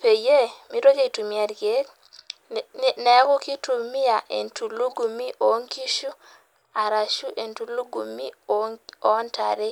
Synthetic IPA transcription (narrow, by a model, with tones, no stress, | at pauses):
pe˨je˦mi˦ɾo˦ke˦i˨tu˨mi˨a˨ɾke˦k̚ | ne˦ku˦ki˦tu˨mi˦ja˨ʔḛ˨ntu˨lu˦ɡu˨mi˦ʔo˨ŋki˦ʃu˦ | a˨ɾa˨ʃu˦ʔe˨ntu˨lu˦ɡu˨mi˦ | o˦nta˨ɾe˦